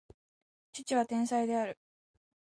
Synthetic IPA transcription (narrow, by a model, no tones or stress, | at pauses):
t͡ɕit͡ɕiβ̞at̪ẽ̞ɰ̃said̪e̞aɾɯ̟